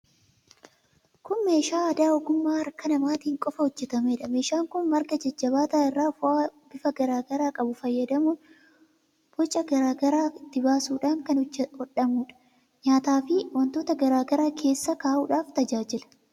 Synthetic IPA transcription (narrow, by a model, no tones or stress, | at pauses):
kʊnme̞ːʃaːɐd̪aːɔɡʊmːaːɐɾkɐnɐmaːt̪iːŋkʼɔfɐhɔd͡ʒːɛt̪ɐmeᶑɐme̞ːʃaːŋkʊnmɐɾɡɐd͡ʒɐd͡ʒːɐbaːt̪aːɪrːaːfʊʔaːb̥ɪfɐɡɐɾaːɡɐɾaːkʼɐbʊfɐjːɐd̪ɐmuːn | b̥ɔt͡ʃʼːɐɡɐɾaːɡɐɾaːɪt̪ːɪbaːsuːᶑaːŋkɐnhɔᶑɐmuːᶑɐ̥ | ɲaːt̪aːfɪwɐnt̪oːt̪ɐɡɐɾaːɡɐɾaːkʰe̞ːsːɐkaːʔuːᶑaːft̪ɐd͡ʒaːd͡ʒɪlɐ̥